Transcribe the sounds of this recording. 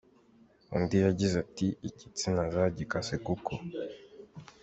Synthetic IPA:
ṵndijaɟizatiicit͡sinazaɟikasekukʰo

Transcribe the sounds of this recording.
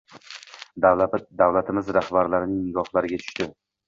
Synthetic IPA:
d̪awad̪awlat̪ʰɪmɪzɾahbaɾlaɾɪnɪŋɡɒhlˠaɾɪɡʲat̪ʰʊ̥ʃt̪ɪ

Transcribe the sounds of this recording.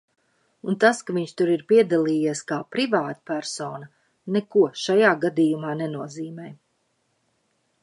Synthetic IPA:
unt̪askaviɲʃt̪uɾiɾpiɛd̪alˠiːjiɛskaːpɾivaːt̪pæɾsɔːnɐ | nɛkuɔʃajaːɡad̪iːjumaːnɛnuɔziːmɛj

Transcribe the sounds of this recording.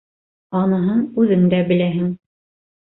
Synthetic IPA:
ɑnɤ̆ɦɤɴʉðɘmd̪æbɘ̆læɦɘŋ

